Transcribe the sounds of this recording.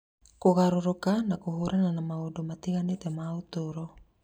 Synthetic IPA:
koɣaɾoɾokanakuɦuɾʔananamaudomat̪iɣanit̪emaut̪uɾo

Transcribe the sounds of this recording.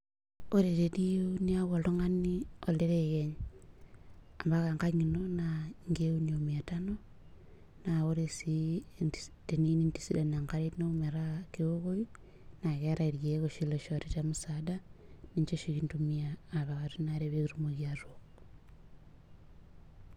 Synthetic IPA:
oɾeɾenijoniaɣoloŋanioleɾeɣeɲ | ambaɣaŋkaɲinonaŋɡeuniomiatano | naɣoɾesi | tenininti̥sidanaŋkaɾeinoumeɾakeoɣoi | naɣeɾaiɾjeɣoʃiloʃoɾet͡ʃamusadaniɲt͡ʃoʃiɣintumiaːβaɣaɾunaɾeβeɣiɾumoɣjaɾok

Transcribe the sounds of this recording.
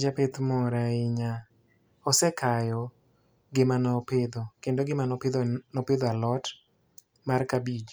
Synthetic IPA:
d͡ʒapɪt̪mɔɾaɪɲa | ɔsɛkʰajɔ | ɡɪmanɔpɪd̪ɔkendoɡɪmanɔpɪd̪nɔpɪd̪ɔalɔt | markabid͡ʒ

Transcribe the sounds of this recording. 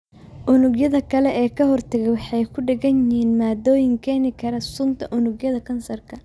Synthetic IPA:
ʔʊnʊɡjɐðɐkʰɐlɛɛːkʰɐɦɔrt̪ʰɐɣɛjwɑħɑjkʰʊɖɛɣɐnɪhiːnmaːd̪ɔːjɪŋkʰɛːnɪkʰɐɾɐsʊnt̪ʰɐʔʊnʊɡjɐðɐkʰɐnsɐrkʰɐ

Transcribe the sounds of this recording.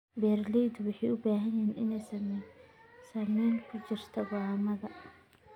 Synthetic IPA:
bɛrlid̪ʊwɑħɑʊbaːɦɐjɛːnʔɪnɛjsɐm | sɐmiːnkʰʊt͡ʃɪrt̪ʰɐwɑːmɐðɐ

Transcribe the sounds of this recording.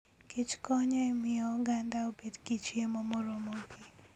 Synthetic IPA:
ket͡ʃkɔɲɔemɪɔɡandaobedkit͡ʃjemɔmɔɾomoɡi

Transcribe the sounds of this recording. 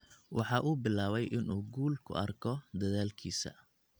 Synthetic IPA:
wɑħɑʔuːbɪlaːβɛjʔɪnuːɡuːlkʰʊ̰ʔɐrkʰɔd̪ɐðaːlkʰiːsɐ̰

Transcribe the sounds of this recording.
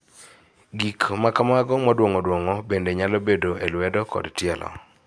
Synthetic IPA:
ɡikmakamaɡɔmɔdwoŋɔdwoŋɔbendeɲalɔbedoʔelwɛdɔkɔ̰dtjɛlɔ̰

